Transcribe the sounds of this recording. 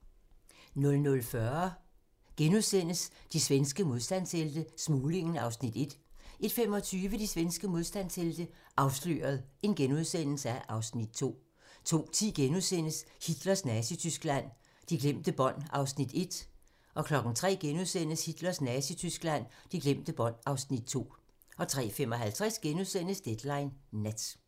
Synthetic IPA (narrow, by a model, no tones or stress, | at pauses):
nɔ̽lnɔ̽lfɶɐ | ɡ̥enuðˠsen̰əsd̥isʋensɡ̥əmo̝ð̞ˠsd̥æn̰seld̥əsmuːle̝ŋn̩ɑ̈ʊsnid̥e̝d̥e̝d̥femɒ̽t͡sʰyːʋəd̥isʋensɡ̥əmo̝ð̞ˠsd̥æn̰seld̥ə | ʔɑ̈ʊslø̰ːɐð̞̩ˠe̝nɡ̥enuð̞ˠsen̰l̩səæʔɑ̈ʊsnid̥̚t͡sʰo̝̰ː | t͡sʰo̝̰ːt͡sʰḭːɡ̥enuðˠsen̰əshid̥lɐsnæsit͡sʰysɡ̥læn̰ | d̥iɡ̥lem̰d̥əb̥ɒ̽n̰ɑ̈ʊsnid̥e̝d̥ | ʔɒ̽kʰlɒ̽ɡ̥n̩t͡sʰʁɛ̰ːɡ̥enuðˠsen̰əshid̥lɐsnæsit͡sʰysɡ̥læn̰d̥iɡ̥lem̰d̥əb̥ɒ̽n̰ɑ̈ʊsnid̥̚t͡sʰo̝̰ː | ɒ̽t͡sʰʁɛ̰ːfem̰ɒ̽ɦælt͡sʰʁɛsɡ̥enuðˠsen̰əsd̥ed̥lɑ̈ɪnːæd̥